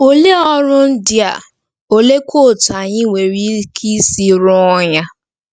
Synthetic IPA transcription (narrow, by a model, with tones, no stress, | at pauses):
o˦le˦ɔ˦ɾʊ˦n̩˦dɪ˦a˨ | o˨le˦kʰo˦˨ta˨ɲɪ˦wʷe˨ɾi˦kʰi˦si˦ɾʊ˦ɔ˦ɲa˦